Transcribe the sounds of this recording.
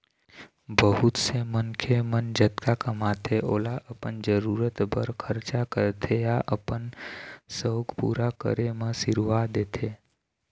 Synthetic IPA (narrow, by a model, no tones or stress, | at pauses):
bəɦʊt̪semənkʰemənd͡ʒət̪kakəmat̪ʰeʔoːlaʔəpənd͡ʒəɾuːɾət̪bəɾkʰəɾt͡ʃakəɾt̪ʰejaʔəpənsəwɡpṵːɾakə̰ɾemə̃sɪɾʋad̪eːt̪ʰe